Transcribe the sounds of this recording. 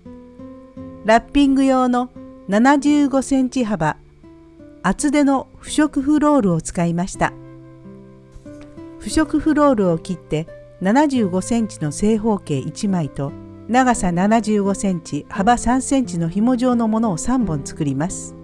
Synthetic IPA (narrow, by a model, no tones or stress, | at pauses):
ɾapʲːĩŋɡɯ̟jo̞ːno̞nanaʑɨːɡo̞sẽ̞ɲ̟t͡ɕiɦaba | t͡sɨd̪e̞no̞ɸɯ̟̥ɕo̞kɯ̟ɸɯ̟ɾo̞ːɾɯ̟o̞t͡sɨ̥kaimaɕi̥t̪a̰ | ɸɯ̟ɕo̞kɯ̟ɸɯ̟ɾo̞ːɾɯ̟o̞kʲit̪ːe̞ | nanaʑɨːɡo̞sẽ̞ɲ̟t͡ɕino̞se̞ːɦo̞ːke̞ːʔit͡ɕimait̪o̞ | naɡasananaʑɨːɡo̞sẽ̞ɲ̟t͡ɕihabasãɰ̃sẽ̞ɲ̟t͡ɕino̞çimo̞ʑo̞ːno̞mo̞no̞ːsãmbõ̞nt͡sɨ̥kɯ̟ɾʲimasɨ̥